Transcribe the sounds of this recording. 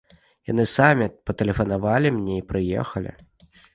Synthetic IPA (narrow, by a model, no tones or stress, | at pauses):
janɨsamʲipɐt̪ɛlʲɛfɐnavalʲimnʲeipɾɨjɛ̰xɐlʲḭ